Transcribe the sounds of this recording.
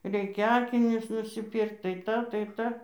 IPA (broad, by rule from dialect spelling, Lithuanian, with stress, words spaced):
ˈrʲɛɪkʲɛ ˈɑːkʲɪnʲʊs nʊsʲɪˈpʲiːrkt tɐɪ ˈtɑː tɐɪ ˈtɑː